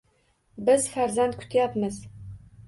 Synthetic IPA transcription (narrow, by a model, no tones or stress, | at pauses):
bɪzfæɾzænt̪̚kʷʰʊ̥t̪ʰjapmɨz